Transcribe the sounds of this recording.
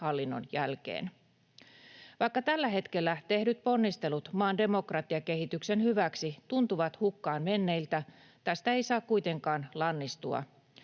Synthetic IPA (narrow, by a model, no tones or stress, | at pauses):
hɑlːinːo̞̰njælk̟e̞̰ːn | ʋɑjkːɑt̪ælːæɦe̞t̪ke̞lːæt̪e̞hdyt̪̚po̞nːist̪e̞lut̪mɑːnde̞mo̞krɑt̪ːˑiɑke̞hit̪ykse̞nhyʋæksit̪unt̪uʋɑt̪hukːɑːnme̞nːe̞ilt̪æ | t̪æst̪æe̞jsɑːkkujt̪e̞ŋkɑːnlɑnːist̪uɑ̰